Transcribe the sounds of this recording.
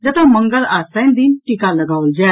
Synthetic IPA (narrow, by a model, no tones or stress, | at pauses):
d͡ʑat̪aməŋɡəlast̪and̪iːnʈikaləɡaʋld͡ʑa